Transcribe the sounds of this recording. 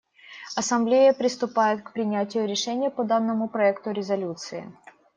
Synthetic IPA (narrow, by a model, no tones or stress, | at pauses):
ɐsɐmblʲejəpɾʲɪst̪ʊpajʊt̪kpɾʲɪnʲætʲɪjʊɾʲɪʂɛnʲɪjəpɐd̪anːəmʊpɾɐɛkt̪ʊɾʲɪzɐlʲut̪sɨɪ̰